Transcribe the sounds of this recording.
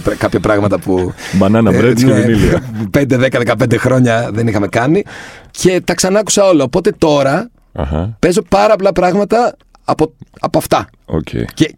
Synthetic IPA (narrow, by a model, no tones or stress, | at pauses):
pkɐpçɐpɾɐɣmɐt̪ɐpubɐnɐnɐvɾet̪sneinilipe̞nd̪eðekɐðe̞kɐp̬e̞nd̪exɾo̞ɲɐðenixɐme̞kɐnice̞t̪ɐksɐnɐku̥sɐo̞lɐoːpo̞t̪e̞t̪o̞ɾɐ | ɐ̰hɐ̰pe̞zo̞pɐɾɐpolɐpɾɐɣmɐt̪ɐ | poɐpoɐft̪ɐ | o̰cḛce